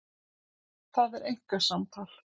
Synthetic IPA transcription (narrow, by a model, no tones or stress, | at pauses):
θaðɛɾejŋ̥kasamt̪ʰal̥